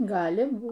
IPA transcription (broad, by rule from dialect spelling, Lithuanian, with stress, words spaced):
ˈɡɑːlʲɪ ˈbuːt